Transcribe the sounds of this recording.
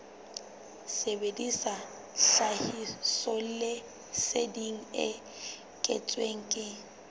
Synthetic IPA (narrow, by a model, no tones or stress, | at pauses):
sebedisa | ɬahisɔlle | sediŋ̩ɪ̰ | kʼɛ̰t͡sʼweŋ̩kʼɪ